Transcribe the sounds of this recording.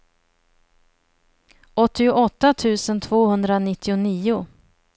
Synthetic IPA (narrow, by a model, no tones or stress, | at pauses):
ʔɔt̪ːɪʊʔɔt̪ːat̪ʰʉ̟ːsənt̪ʰvoːhɵnd̪ɾanɪt̪ːɪʊniːʊ